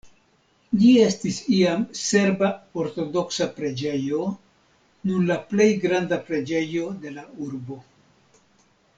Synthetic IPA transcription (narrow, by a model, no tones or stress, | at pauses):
lie̞stisiamse̞ɾbao̞ɾto̞do̞ksapɾe̞d͡ʒe̞jo̞ | nuɾlaple̞jɡɾandapɾe̞d͡ʒe̞jo̞de̞lauɾbo̞